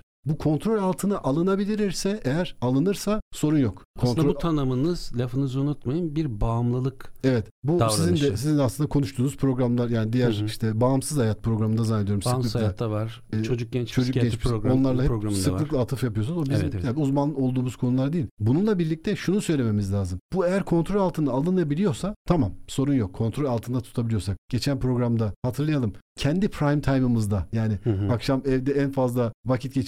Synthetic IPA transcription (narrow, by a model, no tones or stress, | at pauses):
bukʰo̞nt̪ʰɾolʲalˠt̪ʰɯnaʔalˠɯnabilʲiɾiɾsɛejæɾalˠɯnɯɾsaso̞ɾunjokkʰonɾobut̪ʰanɯmɯnɯz̥lʲafɯnɯzunut̪majɯnbiɾbamlˠɯlˠɯkevɛt̪busizind̪ɛsizind̪aslɯnd̪akʰo̞nuʃt̪ʰuːnuzpʰɾo̞ɡɾamlˠaɾjaːnid̪ijæɾiʃt̪ʰɛbaːmsɯzhajat̪̚pʰɾo̞ɡɾamɯnd̪azanːed̪ijoɾumsɯklˠɯlˠavaɾ | t͡ʃod͡ʒuk̚t͡ʃʰo̞d͡ʒukɟɛmiʃo̞nlˠaɾlˠaɛsɯlˠɯklˠaːt̪ʰɯfjapɯjosunzobizjauzmanˠɯo̞lˠd̪uːmuz̥kʰo̞nulˠaɾad̪ijilʲbununlˠabiɾlʲic̚t̪ʰɛʃunusø̞jlʲe̞me̞mizlʲaːzɯmb̥uejæɾkʰo̞nt̪ʰɾolʲalˠt̪ʰɯnd̪aːlˠɯnɯjabilʲijo̞ɾsat̪ʰamamso̞ɾunjo̞kʰːo̞nt̪ʰɾolʲalˠt̪ʰɯnd̪at̪ʰu̥t̪ʰabilʲijo̞sak̚ɟ̥e̞t͡ʃʰænpɾo̞ɡɾamd̪ahat̪ʰɯɾlˠajalˠɯmcʰɛnd̪ipʰɾajmt̪ʰajmɯmɯzd̪ajaːnɪakʃamɛvd̪ɛænfazlˠavacʰit̪̚ɟet͡ʃ